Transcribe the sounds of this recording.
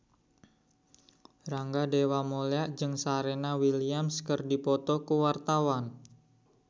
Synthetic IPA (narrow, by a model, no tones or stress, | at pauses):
ɾaŋɡadewamoleaʔd͡ʒɨŋsaɾenawiliamskərdipɔt̪ɔkuwart̪awan